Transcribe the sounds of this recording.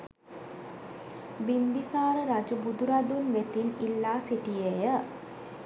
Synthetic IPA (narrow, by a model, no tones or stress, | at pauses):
binb̪isaːɾəɾad͡ʒubud̪uɾad̪unʋet̪inilːaːsiʈijejə